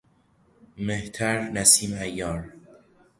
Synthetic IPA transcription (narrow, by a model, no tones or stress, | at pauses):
meht̪ʰæɾnæsiːmæjːɒːɾ